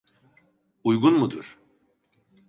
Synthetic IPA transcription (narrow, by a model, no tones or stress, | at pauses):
ujɡunmud̪uɾ̥